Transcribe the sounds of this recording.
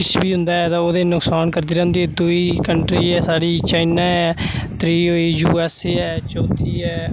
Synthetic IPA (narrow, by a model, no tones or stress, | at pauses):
ɪt͡ʃbiːɦʊ̃nd̪aːɛːt̪ãːoːd̪eːnʊksaːnkəɾd̪iːɾɛ̃ɦʊnd̪iːɛːd̪uiːkəɳʈɾiːɛːsaːɽiːt͡ʃaːɪnaːɛːt̪ɾiːɦoːiːjuːɛːsɛːt͡ʃɔ̃ːt̪ʰiːɛː